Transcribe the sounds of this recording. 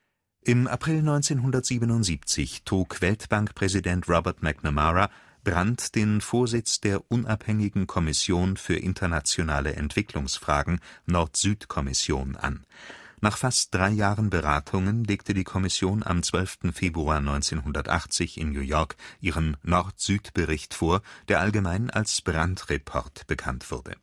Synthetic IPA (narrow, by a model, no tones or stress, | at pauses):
ʔɪmʔapʁ̥ɪlnɔʏnt͡seːnɦʊndɐtz̥iːbənʊntz̥iːp̚t͡sɪçtʁ̥uːkv̥ɛltb̥aŋkpʁ̥ɛzidɛntʁɔbɛɐtmɛɡnamaʁa | b̥ʁantd̥eːnfoːɐzɪt͡sd̥eːɐʔʊnʔaphɛŋɪɡŋ̩kʰɔmɪsjoːnfyːɐʔɪntʰɐnat͡sjonaːləʔɛ̰ntv̥ɪklʊŋsfʁ̥a̰ːɡŋ̩nɔɐtz̥yːtkʰɔmɪsjo̰ːnʔa̰nnaːχfastd̥ʁaɪjaːʁənbəʁaːtʰʊŋənleːktʰədiːkʰɔmɪsjoːna̰mt͡sv̥œlftn̩feːbʁuaːɐnɔʏnt͡seːnɦʊndɐtʔa̰χt͡sɪçɪ̰nnjuːjɔɐkʔiːʁənːɔʁtz̥yːtb̥əʁɪçtfoːɐd̥eːɐʔalɡəmaɪna̰lsb̥ʁantʁepʰɔ̰ʁtb̥əkʰantv̥ʊɐdə̰